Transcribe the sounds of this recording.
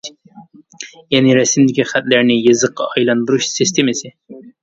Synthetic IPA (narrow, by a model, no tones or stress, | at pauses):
jɛnɪɾɛsɪmd̪ɪkʲiχæt̪læɾnɪjɨzəqːɑ̰ɑjlˠɑnd̪uɾuʃsɪst̪ʰemɪsɪ